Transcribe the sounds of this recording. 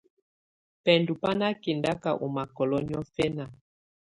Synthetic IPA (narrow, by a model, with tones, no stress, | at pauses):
pɛ˨ndu˨pa˦na˦ki˨nda˦ka˨ʔu˨ma˨kɔ˨lɔ˦ni˦ɔ˦fɛ˦na˨